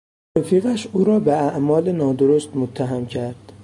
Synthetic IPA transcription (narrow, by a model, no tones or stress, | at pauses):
efiːɣæʃuːɾɒːbeæʔmɒːlenɒːd̪oɾost̪mot̪ʰːæɦæmcʰæɾd̪̥